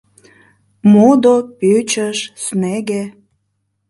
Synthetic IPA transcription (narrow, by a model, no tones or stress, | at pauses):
mod̪opøt͡ɕəʃsneɣe